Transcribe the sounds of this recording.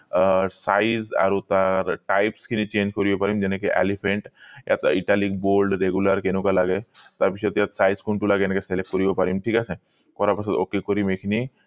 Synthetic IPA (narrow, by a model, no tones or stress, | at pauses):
saiza̰ɾut̪aɾʈajpskʰinit͡ɕẽnd͡ʑkɔɾiʋepaɾimd͡ʑɛnẽkeʔɛ̰lifʰẽɳʈja̰t̪iʈalik̚bolɖɾeɡuləɾkenũkalaɡet̪aɾpit͡ʃɔt̪jat̪saizkuɳʈulaɡeenakeselek̚ʈ̚kɔɾiʋepaɾimʈʰiːkasẽ | kɔɾapasə̃d̪okːekɔɾimekʰini